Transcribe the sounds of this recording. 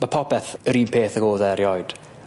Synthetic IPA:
mapʰɔpɛθəɾiːnpʰeːθəɡoːðɛɾjɔjd̥

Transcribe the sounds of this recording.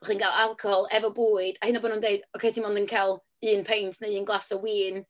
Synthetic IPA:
χiːnɡalˠalˠkʰɔɔlˠɛvɔbuːɨd̥ahɪnabɔnuːndeɨdɔwkʰejtʰinmɔndənkʰalˠ | ɨːnpʰejntʰnaɨːnɡlˠasɔwiːn

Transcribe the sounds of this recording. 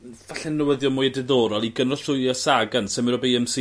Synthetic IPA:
vaɬɛnːəwəðjɔmʊːjɛdɪðoːɾɔlˠiɡənrɔɬʊasaɡansəmɪɾɔbejɛmsi

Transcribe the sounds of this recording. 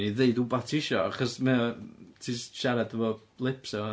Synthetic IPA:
niðeɨdubatʰɪʃɔaχɔsmɛɔtʰiːsʃaɾadvɔ | lˠɪpsɔ

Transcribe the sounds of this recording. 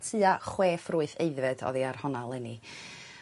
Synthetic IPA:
tʰɨaχweːfruːɨθeɨðvɨd̥ɔ̰ðiar̥hɔnalˠɛni

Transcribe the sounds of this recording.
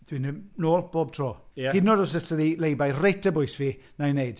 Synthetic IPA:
d̥winənoːlb̥oːb̚tʰrɔːhɪdnɔdɔsəstəðilejbajretʰəbʊjsviːnajnejd̥

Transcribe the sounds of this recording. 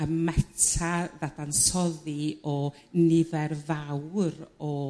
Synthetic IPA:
əmmɛtʰaðadansɔðɨɔ | nɪðɛrvawrɔ

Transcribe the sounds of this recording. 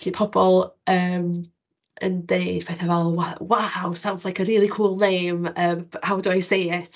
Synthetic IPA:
tʰiːpʰɔbɔlˠəːm | ʔə̰ndejd̥̚pʰeːθavɛlˠwawawsawndzlˠajkʰəɾiːlˠikʰuːlˠnejməːmhawdɔjsejɪt

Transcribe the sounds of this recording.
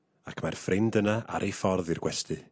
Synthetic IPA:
akʰmarfrʔɪndənaʔa̰ɾʔejfɔrðirɡwɛstʰɨ

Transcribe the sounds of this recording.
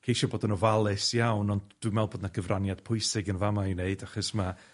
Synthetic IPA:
kʰejʃɔboːdənɔvalˠɪsjawnɔndd̥wimɛlˠboːdnaɡ̥əvrʔanjad̥pʰʊɨsɪɡənvamaiwneɨdaχɔsma

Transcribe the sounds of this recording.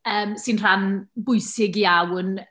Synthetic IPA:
əːmsɪnr̥anbʊɨsɪɡiawn

